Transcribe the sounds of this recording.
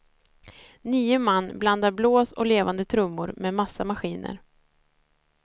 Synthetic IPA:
niːʊmanːbland̪aɾbloːsɔleːvand̪ət̪ʰɾɵmːʊɾmɛmasːamaɧiːnə̰ɾ

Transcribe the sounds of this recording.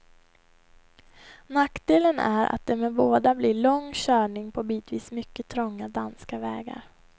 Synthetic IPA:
nakd̪eːlənæɾʔa̰t̪̚d̪ɛmɛboːd̪ablɪɭɔŋːɕœːɳɪŋpʰɔbiːt̪viːsmʏkːət̪ʰɾɔŋːad̪anskavɛːɡa̰ɾ

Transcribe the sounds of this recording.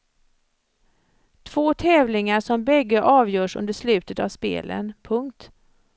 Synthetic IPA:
t̪ʰv̥oːt̪ʰɛːvlɪŋaʂɔmbɛɡːəʔɑːvjœːʂɵ̰nd̪əʂlʉ̟ːt̪ət̪avspḛːlə̰npʰɵŋkt̪

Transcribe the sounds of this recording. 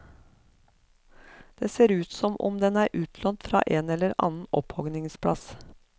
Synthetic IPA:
d̪̥eːseːɾʉːt̪sɔmʔɔ̰md̪ɛnæːɾʔʉːt̪ʰlɔnt̪fɾɑ̰ːʔeːnɛləɾɑ̰ːnn̩ɔphɔɡnɪŋspʰɽɑs

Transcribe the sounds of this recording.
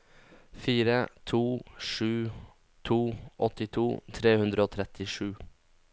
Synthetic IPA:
fiːɾət̪ʰuːʂʉː | t̪ʰuːʔɔt̪ɪt̪ʰuːt̪ʰɾeːhʉnd̪ɾəoːt̪ʰɾɛt̪ɪʂʉː

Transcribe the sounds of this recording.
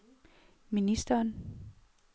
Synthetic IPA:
minisd̥ɐːn

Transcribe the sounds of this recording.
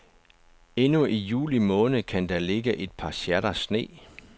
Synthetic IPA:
e̝nuʔijṵːlimɔ̽ːnð̩əkʰænd̥æle̝ɡ̥əʔe̝d̥̚pʰɑ̈ɕæɐɾ̥ɐsne̝̰ː

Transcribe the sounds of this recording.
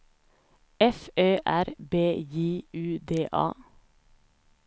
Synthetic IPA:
ɛføːʔæɾbeːjiːʉːd̪eːʔɑ̰ː

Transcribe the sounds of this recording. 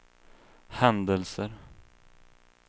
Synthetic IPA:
hɛnd̪əlsəɾ

